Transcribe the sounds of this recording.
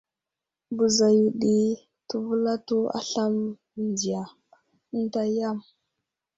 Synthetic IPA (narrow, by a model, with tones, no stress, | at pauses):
bu˨za˨ju˨ɗi˨ | tu˨vu˦la˦tu˦a̰˦ɬa˦m˨ | ndi˨ja˨˦ | n̩˦ta˦ja˦˨m